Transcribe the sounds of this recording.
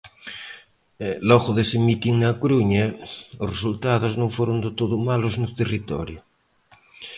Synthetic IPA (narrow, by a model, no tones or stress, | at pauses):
lɔɣoðesemit̪iŋnakoɾuɲaosresult̪aðoznõŋfoɾond̪et̪oðomaloznot̪erit̪ɔ̰ɾjo